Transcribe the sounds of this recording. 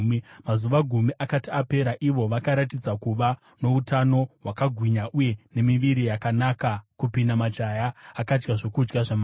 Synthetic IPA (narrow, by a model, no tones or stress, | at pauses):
mazuʋaɡʱumiʔakatiape̞ɾaʔiʋo̞ʋakaɾatid͡zakuʋa | no̞utano̞wakaɡʱwiɲaʔuje̞ne̞miʋiɾijakanakakupindamat͡ʃajaːkad͡ʒɡaʐokud͡ʒɡaʐama